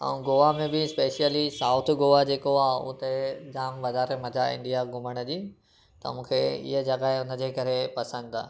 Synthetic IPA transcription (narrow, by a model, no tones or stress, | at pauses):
ɛ̰̃ũɡoːʋamẽbɪspeːʃijəlisaːʊt̪ʰɡoːʋad͡ʑeːkoaːɦʊ̰t̪ed͡ʑaːmʋɐzaːɾemɐd͡ʑʱaɪ̰̃ndɖijaɡʊməɽ̃əd͡ʑiː | t̪ɐ̰mũːkʰeɪ̰ɦəd͡ʑɐɡaːeʊnə̆d͡ʑeːkɐɾepɐsə̃nd̪t̪ʰa̰ː